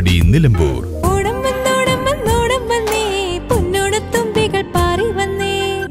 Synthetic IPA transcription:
ɽḭnilɐmbṵːr | oɽɐmʋɐnːoːɽɐmʋɐnoːɽɐmʋɐnːɨpunːoːɽɨt̪umbiɣɐɭpaːriʋɐnːɨ

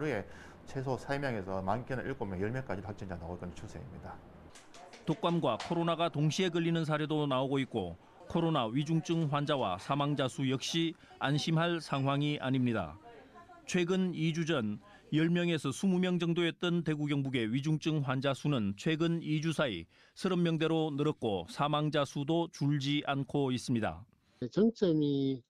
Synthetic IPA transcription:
ɾɯe | t͡ɕʰesʰosʰaimjaŋesʰʌmankʰenʔiɭk͈omjʌjʌɭmjʌŋk͈ad͡ʑiɾɯɭɸak̚t͡ɕ͈iɲd͡ʑanaɡok͈ʌnt͡ɕʰusʰeḭmɲida | tok͈amɡwakʰoɾonaɡatoŋɕʰiɦe̞ɡɯʎːinɯns̬ʰaɾedonaoɡoit̚k͈o̰ | kʰoɾonaɥid͡ʑuŋt͡ɕ͈ɯŋɸwand͡ʑawa̰sʰamaŋd͡ʑasʰujʌk̚ɕ͈i | anɕʰimɦaɭsʰaŋɦwaŋiʔa̰ɲimɲida̰ | t͡ɕʰwe̞ɡɯnid͡ʑud͡ʑʌn | jʌɭmjʌŋe̞sʰʌsʰumumjʌŋd͡ʑʌŋdoet̚t͈ɯnte̞ɡuɡjʌŋbuɡe̞ɥid͡ʑuŋt͡ɕ͈ɯŋɸwand͡ʑasʰunɯnt͡ɕʰwe̞ɡɯnid͡ʑusʰaḭ | sʰɯɾʌmːjʌŋde̞ɾonɯɾʌt̚k͈o̰sʰamaŋd͡ʑasʰudot͡ɕuɭd͡ʑiʔankʰois͈ɯmɲida̰ | t͡ɕʌŋt͡ɕ͈ʌmi

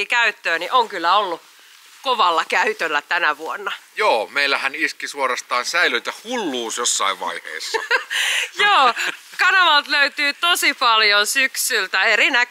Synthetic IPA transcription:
iːkæyt̪ːøːniʔoŋkylːæolːu | koʋɑlːɑkæyt̪ølːæt̪ænæʋuonːɑjoːmeilːˑæhæniskisuoɾɑst̪ɑːnsæilyit̪æhulːuːsjosːɑ̰iʋʋɑ̰ihḛːsːɑ̰ | joːkɑnɑʋɑlt̪løyt̪yːt̪osipɑljonsyksylt̪æerinæk

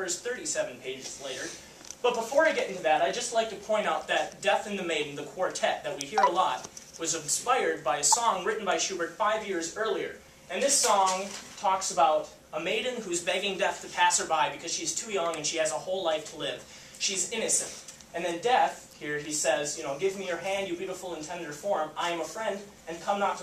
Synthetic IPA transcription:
ɜ˞sθɜ˞ɾisɛṽn̩pʰeɪd͡ʒɨzleɪɾə˞ | b̥ʌt̚b̥əfɔɹaɪɡɛɾɪ̃ntʉðɨɾaɪd͡ʒʌstˡlaɪk̚tʰɨpʰɔ̃ɪ̃ɾ̃aʊt̪̚ðɨt̚d̥ɛθɨ̃nðɨmeɪdⁿn̩ðɨkʰw̥ɔɹtʰɛt̪̚ðɨt̚wihiɹəlɔt̚wʌzɨ̃spaɪə˞d̚baɪɨsɔ̃ŋɹɪʔn̩baɪʃʉbə˞tfaɪvjɪɹzɜ˞lˠiə̰˞ | ʔɨ̃nðɪsɔ̃ŋtʰɔksəbaʊɾ | əmeɪdⁿn̩hʉzbɛɡɪ̃ŋdɛθtʰɨpʰæshə˞baɪbɨkʰʌz̥ʃiz̥tʰʉjʌ̃ŋɨ̃nʃiɨzəhoʊlaɪftʰəlɪv̥ | ʃizɪ̃ñɨsɨ̰̃nt̚ | ɨ̃nðɨ̃ndɛθ | hiɹisɛzjɨñoʊɡɪvmijə˞ɦæ̃ndjəbjʉɾəfl̩ˠə̃ntʰɛ̃ndə˞fɔɹmaɪɨ̃məfɹɛ̃nd | ɨ̃nkʰʌ̃mnətʰ

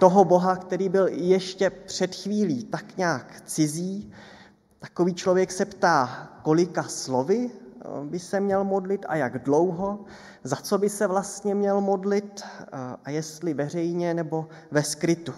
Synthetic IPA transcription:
t̪o̞ɦo̞bo̞ɦakt̪ɛɾiːbɪljɛʃcɛpr̝̥ɛt̪xviːliːt̪akɲaːkt͡sɪziː | t̪ako̞viːt͡ʃlo̞vjɛksɛpt̪aːko̞lɪkaslo̞vɪbɪsɛmɲɛlmo̞dlɪt̪ʔa̰jaɡdlo̞wɦo̞ | zat͡so̞bɪsɛvlast̪ɲɛmɲɛlmo̞dlɪt̪ʔajɛst̪lɪvɛr̝ɛjɲɛnɛbo̞ | vɛskɾɪt̪u

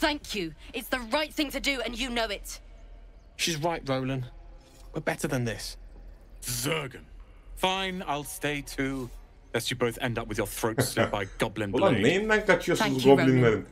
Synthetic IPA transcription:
θæ̃ŋkʰjʉɪtsðəɹaɪt̪̚θɪ̃ŋtʰɨdɨɨ̃njɨnoʊɪt | ʃizɹaɪʔɹoʊlə̃n | wəbɛtəðə̃nðɪs | zɜːɡə̃n | fãɪ̃na̰ɪlˠsteɪtʰʉː | lɛtsjəboʊθɛ̰̃ndʌpwɨðjəθɹoʊtsɛb̥aɪɡ̥ɒblə̃nbamĩnæ̃ŋk̚ðət͡ʃəsɔblɪ̃ŋðə̃n

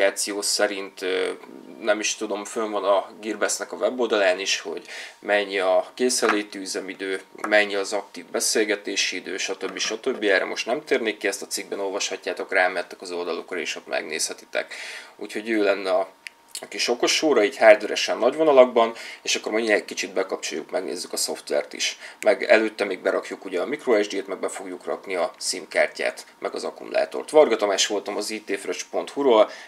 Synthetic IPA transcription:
aːt̪sijoːsɛɾint̪ø | nɛmiʃt̪ud̪o̞mføɱvɒnɒɡirbɛsnɛkɒvɛbo̞ld̪ɒlaːniʃho̞̰ɟmɛɲːiɒkeːsɛleːt̪iyzɛmid̪øːmɛɲːiɒzɒk̚t̪iːvbɛseːlɡɛt̪eːʃiid̪ø̰ːʃɒt̪øbːiʃɒt̪øbːiɛːrʔɛ̰mo̞ʃt̪nɛmt̪eːrneːkːiɛst̪ɒt̪siɡ̚bɛno̞lvɒʃhɒcːaːt̪o̞kraːmɛt̪ːɛ̥kɒzo̞ld̪ɒlo̞krɒḛːʃo̞t̪mʔɛ̰ɡnḛːshɛt̪i̥t̪ɛ̰kṵːcho̞ɟøːlɛnːɛɒ | ɒkiʃo̞ko̞ʃoːɾɒiːchaːrd̪øɾɛ̰ʃɛnːɒɟvo̞nɒlɒɡ̚bɒneːʃɒkːo̞rmɒinɛkit͡ʃid̪̚bɛkɒp̚t͡ʃo̰jṵkmɛɡnḛːzːykɒso̞ft̪ʋɛ̰rt̪ḭʃmɛɡɛ̰løːt̪ːɛmiːɡ̚bɛɾʔɒkjukuɟɛɒmikroɛʒd̪eːt̪mɛɡ̚bɛfo̞ɡjukrɒ̰kniɒt̪siːmkaːrca̰ːt̪mʔɛɡɒ̰zɒkṵmṵla̰ːt̪o̰rt̪ʋɒrɡɒt̪o̞maːʃʋo̞lt̪ɒmɒziːt̪eːfrøt͡ʃpo̞nt̪huɾoːl

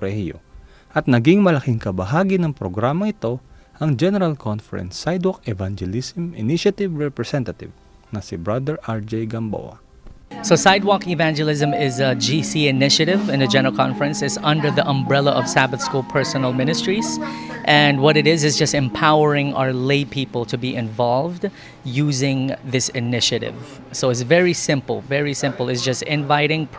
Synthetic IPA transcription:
ɾɛhjo̰ | ʔɐt̪̚nɐɡiŋmɐlɐkiŋkɐbɐɦaːɡinɐŋpɾoɡɾaːmɐʔɪt̪o̞ʔɐŋd͡ʒɛnɛɾɐlkʰɔnfɛɹɛ̰̃nsːajd̪wɔkɛvand͡ʒɛlisɪmɪ̰niʃɐt̪ɪvɹɛpɹɛsɛnt̪ɐt̪ɪ̰v | nɐsɪbɹɐd̪ɛɹʔaɹd͡ʒɛjɡɐmbo̰wɐ̰ | soʊsajd̚wɔkɪvæ̃nd͡ʒəlˠɪzə̃mɪzəd͡ʒisiɪnɪʃɨɾɪvɨ̃nɨd͡ʒɛ̃nə˞əl̩ˠkʰɑ̰̃ɱfəɹɨ̃nsɨzʌ̃ndə˞ðiʔə̃mbɹɛlˠəʔʌv̥sæbəθskulˠpʰɜ˞sɔnəlˠmɪ̃ñɨstɹ̥iz̥ʔɨ̃ndwʌɾɨɾɪzɨzd͡ʒʌstɨ̃mpʰaʊə˞ɪ̃ŋa̰ə˞leɪpʰipəl̩ˠtʰɨbiʔɪ̃ɱvɑlˠvd | juzɪ̃ŋðɪsɪnɪʃɨɾɪ̰v | soʊɨtsvɛɹisɪ̃mpl̩ˠvɛɹisɪ̃mplˠɨtsd͡ʒʌstɪ̃ɱvaɪɾɪ̃ŋpʰ

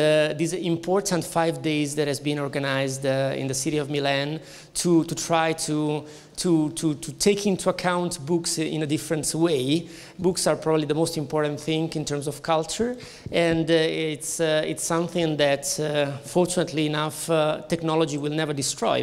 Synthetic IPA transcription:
d̪izĩmpʰɔɹt̪ʰãntfajvdeɪzðɛthɛzbĩnɔɹɡanaɪzdḭ̃nd̪ðəsiɾiɔvmilɛ̃n | t̪ʰutut̪ʰɹajt̪ʰu | tʰutʰutʰut̪ʰeɪkĩnt̪ʰuakʰãw̃nt̪buksḭ̃nədɪfɹə̃nt̪weɪ | buksaɹpʰɹɔbablid̪əmostĩmpɔɹtãnθɪ̃ŋĩnt̪əɹmsɔv̥kʰalt͡ʃəɹ | ɛ̃ndtsɪ̰tsʌ̃mθɪ̃ŋd̪ɛtː | ɔɹt͡ʃunət̪liːnaft̪ɛknɔlɔd͡ʒiwilˠnɛvəɹdistɹɔ̰ɪ

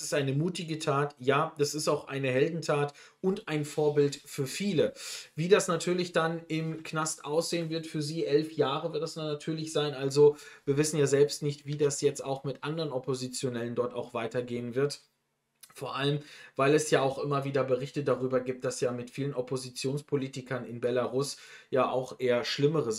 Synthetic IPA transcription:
sɪstʔaɪnəmuːtɪɡətʰaːtjaːd̥asɪstaʊxʔa̰ɪnəɦɛldn̩tʰaːt | ʔʊntʔaɪnfoːɐbɪltfyːɐfiːləviːdasnatʰyːɐlɪçd̥anɪmknastʔaʊsz̥eːənvɪɐtfyːɐziːʔɛlfjaːʁəvɪɐtdasnʊnatʰyːɐlɪçz̥aɪnʔalzoviːɐvɪsn̩jaːzɛlpstnɪçtv̥iːdasjɛt͡staʊxmɪtʔandəʁənɔpozit͡sjonɛləndɔɐta̰ʊxv̥aɪtɐɡeːənvɪɐt | foːɐʔaləmvaɪlɛsjaːaʊxʔɪmɐviːdɐbəʁɪçtədaʁyːbɐɡiːp̚t̚d̥asjaːmɪtfiːlənɔpʰozit͡sjoːnspʰoliːtɪkɐnɪnbɛlaʁʊsjaːʔaʊxʔeːɐʃlɪməʁə

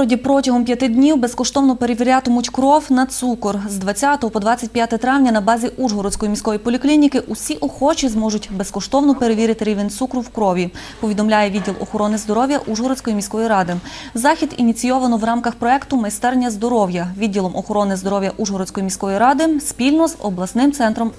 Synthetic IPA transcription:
ɾɔdʲipɾɔtʲɐɦɔmpjɐt̪ɪd̪ʲnʲiwbeskɔʃt̪ɔwnɔpeɾeʋʲiɾʲat̪ɔmʊtʲkɾɔwnɐt̪sukɔrzd̪ʋɐt͡sʲat̪ɔɦɔpɔd̪ʋɑt͡sʲːɐt̚ʲpʲjat̪ɛt̪ɾɑʋnʲɐnɐbɑzʲiʔuʒɦɔɾɔt͡sʲkɔjimʲisʲkɔʋjipɔlʲiklʲinʲikɪʔʊsʲiʔɔxɔt͡ʃizmɔʒʊtʲbeskɔʃt̪ɔwnɔpeɾeʋʲiɾʲɐt̪ɪɾʲiʋenʲt̪sukɾʊwkɾɔʋʲi | pɔʋʲid̪ɔmlʲajɛʋidʲːilˠɔ̰xɔɾɔnɪzd̪ɔɾɔʋjɐʔuʒɦɔɾɔt͡sʲkɔjimʲisʲkɔjiɾɑd̪ɪzɑxʲid̪inʲit͡sʲijɔʋɐnɔʋɾɑmkɐxpɾɔɛkt̪ʊmɐjst̪ɛrnʲːɐzd̪ɔɾɔwjɐʋʲidʲːilˠɔmʔɔxɔɾɔnɪzd̪ɔɾɔʋwjɐʔuʒɦɔɾɔt͡sʲkɔjimʲisʲkɔjiɾɑd̪ɪspʲilʲnɔzɔ̰blˠɐsnɪmt̪sɛnt̪ɾɔm

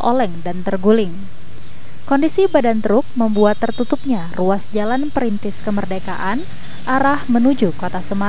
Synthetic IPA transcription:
ʔo̰lɛŋdant̪ərɡulɪŋ | kɔndisibadant̪əɾʊk̚məmbuat̪ːərt̪ut̪up̚ɲaruasd͡ʒalanpəɾint̪ɪskəmərdeka̰ʔan | ʔaɾahmənud͡ʒukot̪asəma

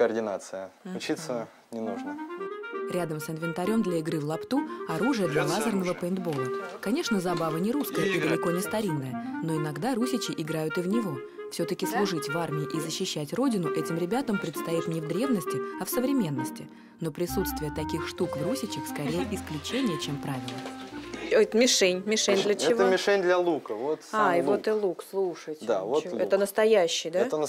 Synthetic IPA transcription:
kərdʲɪna̰t̪sɨjəʊt͡ɕit̪sə | nʲɪnuʐnə | ɾʲad̪əmsɨnvʲɪnt̪ɐɾʲo̞md̪lʲɐɪɡɾɨvlˠɐpt̪uɐɾuʐɨjəd̪lʲɐlˠazərnəvəpəɪnd̪bo̞lˠəkɐnʲeʂnəzɐbavənʲɪɾuskəjəʔid̪əlʲɪko̞nʲɪst̪ɐɾʲinːəjəno̞ɪnɐɡd̪aɾusʲɪt͡ɕɪʔɪɡɾajʊt̪ɨvnʲɪvo̞ | fsʲɵt̪əkʲɪslˠʊʐɨtʲvarmʲɪɪʔizəɕːɪɕːætʲro̞dʲɪnʊʔɛtʲɪmɾʲɪbʲat̪əmpɾʲɪt̪st̪ɐit̪nʲɪvd̪ɾʲe̞vnəsʲtʲɪɐfsəvɾʲɪmʲe̞n̪ːəsʲtʲɪ | no̞pɾʲɪsut̪st̪vʲɪjət̪ɐkʲixʂt̪ukvɾusʲɪt͡ɕɪxskɐɾʲejəʔɪsklʲʉt͡ɕenʲɪjət͡ɕe̞mpɾavʲɪlʲˠəot̪mʲɪʂɛnʲmʲɪʂɛnʲd̪lʲət͡ɕɛɪvəmʲɪʂɛnʲd̪lʲɐlˠukəvot̪aivot̪ɨlˠukslˠuʂətʲd̪a̰votɛt̪ənəst̪ɐjæɕːɪjd̪atə

